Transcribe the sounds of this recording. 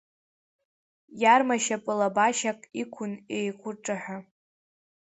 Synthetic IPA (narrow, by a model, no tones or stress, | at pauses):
jarmaʃapʼɨlabaʃakʼikʷʰʊnejkʷʰʊrʈ͡ʂʼaħʷᶣa